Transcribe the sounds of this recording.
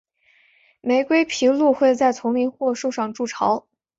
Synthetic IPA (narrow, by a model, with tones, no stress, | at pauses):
me˧˥ɪkwe˥ɪpʰi˧˥lu˥˧xwe˥˧ɪt͡sa˥˩ɪt͡sʰʊ˧˥ŋli˧˥nxwɔ˥˧ʂu˥˧ʂɑ˥˧ŋʈ͡ʂu˥˩ʈ͡ʂʰɑ˧˥ʊ